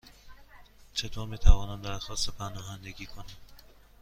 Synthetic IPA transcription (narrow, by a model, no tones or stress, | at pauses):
t͡ʃʰet̪ʰoːɾmiːt̪ʰævɒːnæmd̪æɾxɒːst̪epʰænɒːɦænd̪eɡʲiːkʰonæm